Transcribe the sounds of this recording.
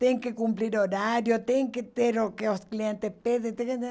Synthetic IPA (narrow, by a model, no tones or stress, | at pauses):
t̪eŋkekumpliɾoɾaɾjot̪eŋket̪eɾokeosklijent̪ehpeðet̪eŋ